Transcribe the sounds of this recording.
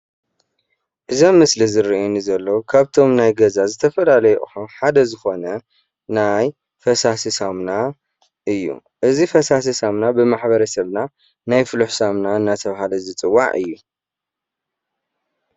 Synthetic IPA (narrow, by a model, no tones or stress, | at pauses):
ʔɨzomːɨslizɨɾiʔunizɐlːokʰaβt̪ʰo̞mnajɡɐzazɨt̪ʰɐfɐlalɐjɛʔħuħad̪ɐzɨxo̞nɐ | naj | fɐsasɨsamna | ʔɨjːṵʔɨzifɐsas̬ɐsamnabɨmaħbɐɾɐsɐβna | najfɨluħsamnaɨnːat̪ʰɐβaɦalɐzɨt͡sʼɨwːa̰ʕɨ̰jːu